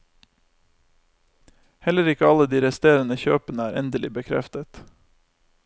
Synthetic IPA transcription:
hɛləɾɪkəɑləd̪iːɾɛst̪eːɾənəçøːpənəæːɾʔɛ̰nd̪əlɪbəkʰɾɛ̰ft̪ət̪

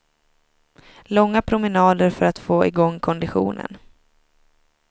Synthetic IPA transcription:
lɔŋːapʰɾʊmənɑːd̪əɾfœɾat̪foːʔɪɡɔŋːkʰɔnd̪ɪɧṵːnə̰n

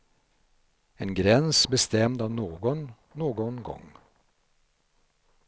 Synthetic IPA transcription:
eːnɡɾɛnsbəst̪ɛmd̪ɑːʋnoːɡɔn | noːɡɔnɡɔ̰ŋ

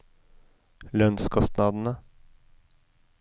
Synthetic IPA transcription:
lœnskʰɔst̪nɑːd̪n̩ə

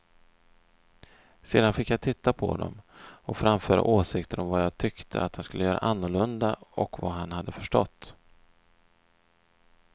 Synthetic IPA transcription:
seːd̪anfɪkːjat̪ʰɪt̪ʰːapʰɔ̰d̪ɔ̰mɔfɾamfœːɾa̰ʔoːsɪkt̪əɾɔmvajaːt̪ʰʏkt̪ʰəat̪hanskɵlːəjœːɾa̰ʔanːʊɭɵnd̪aɔkvaɦanhad̪ːəfœʂʈɔt̪ː

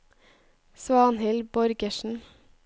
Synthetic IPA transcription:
sʋɑːnhɪlbɔɾɡəʃn̩

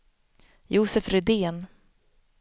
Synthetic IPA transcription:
juːsɛfɾɪd̪eːn

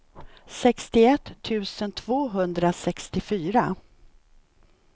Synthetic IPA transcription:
sɛkst̪ɪɛt̪ʰːʉ̟ːsənt̪ʰv̥oːɦɵnd̪ɾasɛkst̪ɪfyːɾa

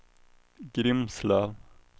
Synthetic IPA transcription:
ɡɾɪmslɑːʋ

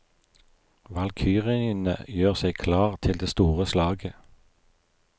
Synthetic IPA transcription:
ʋɑlkʰyːʁɪnə̰jøːʁsekʰlɑːʁt̪ʰɪld̪eːst̪uːʁəslɑːɡə

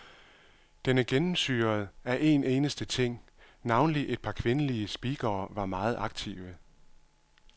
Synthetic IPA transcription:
d̥enəɡ̥enm̩sy̰ːɐð̩ˠæʔe̝ːne̝ːnəsd̥ət͡sʰe̝ŋ̰ | nɑ̈ʊnəliʔe̝d̥̚pʰɑ̈kʰʋe̝nəliəsb̥iːɡ̥ɐːʋɑ̈mɑ̈ːð̞̩ˠɑ̈ɡ̥̚t͡sʰiʊə

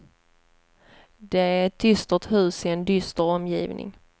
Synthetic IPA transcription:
d̪ɛæɛt̪̚d̪ʏst̪ət̪hʉ̟ːsɪɛnd̪ʏst̪əɾɔmjḭːvnʔɪ̰ŋ

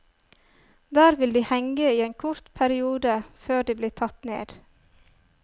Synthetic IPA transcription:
d̪æːɾʋɪld̪iːhɛŋɡəiːeːnkʰʊɾt̪pʰæɾɪuːd̪əføːɖiːbliːt̪ʰɑt̪nḛːd̪̥

